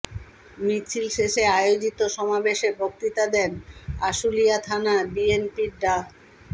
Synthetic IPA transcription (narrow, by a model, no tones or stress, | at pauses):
mit͡ɕʰilʃeʃeajod͡ʑit̪oʃɔmabeʃebok̚t̪it̪ad̪ɛnaʃulijat̪ʰanabienpiɾɖa